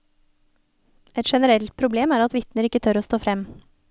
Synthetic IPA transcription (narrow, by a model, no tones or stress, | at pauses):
ʔɛt̪ʃɛnəɾɛlt̪̚pʰɾʊbleːmæːɾɑt̪ʋɪt̪nəɾɪkət̪ʰœɾoːst̪oːfɾɛm